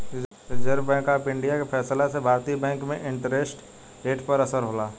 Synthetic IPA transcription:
d͡ʒəɾbɛ̃ːŋkaːpɪ̃ɳɖijakepʰɛːslasebʱaːɾt̪ibɛ̃ːŋkmẽʔɪ̃ɳʈɾesʈ | ɾeːʈpəɾəsəɾɦoːlaː

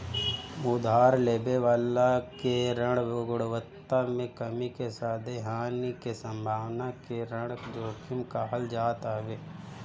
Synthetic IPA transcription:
ʊd̪ʱaːɾleːbeʋaːlakeɾə̃ɽʋɡʊɽʋət̪ːamẽkɐmikesaːd̪ʱeɦaːnikesə̃mbʱaːʋnakeɾə̃ɽd͡ʒoːkʰɪmkaɦəld͡ʒaːt̪aʋeː

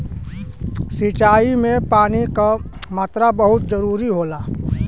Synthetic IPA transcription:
sit͡ʃaːimẽpaːnikamaːt̪ɾabəɦʊt̪̚d͡ʒəɾuːɾiɦoːlaː

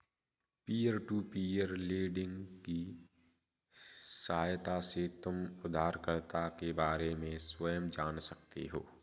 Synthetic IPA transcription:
piːəɾʈuːpiːəɾliːɖɪ̃ŋɡki | sɐɦaːjt̪aset̪ʊmʊd̪ʱaːɾkəɾt̪akebaːɾemẽswəjəmd͡ʒaːnsɐk̚t̪eɦoː

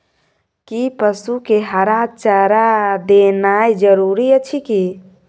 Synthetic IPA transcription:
kipəsukeɦəɾat͡ʃəɾad̪enajd͡ʒəɾuɾiət͡ʃʰiki

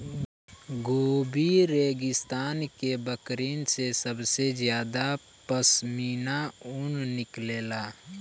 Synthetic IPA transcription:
ɡoːbiɾeːɡɪst̪aːnkebəkɾiːnsesəbsezjaːd̪a | pəsmiːnaʊnnɪkleːlaː

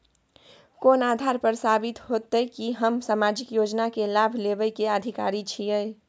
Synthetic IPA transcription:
koːnaːd̪ʱaɾpəɾsabit̪ɦot̪əjkiɦəmsaːmad͡ʒikjoːd͡ʒnakelabʱlebəjkeəd̪ʱika̰ːɾit͡ʃʰijəj

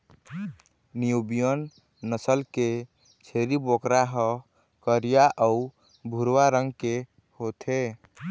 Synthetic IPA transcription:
nijubijənː | əsəlke | t͡ʃʰeɾibokɾaɦə | kəɾijaʔəu | bʱuɾwaɾəŋɡke | hot̪ʰe

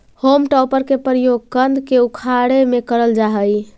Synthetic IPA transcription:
homʈɔwpəɾkepɾijoɡ̚kənd̪ʱkeukʰaɽemekəɾəld͡ʒaɦəj

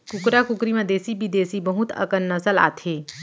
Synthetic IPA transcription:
kʊkɾakʊkɾimãd̪eːsibʱid̪eːsibɐɦʊt̪ɐ̰kənːɐsəla̰ːt̪ʰeː

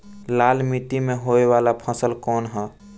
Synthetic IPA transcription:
laːlmit̪imẽɦoeʋaːlapʰəsəlkɔːnɦɛː

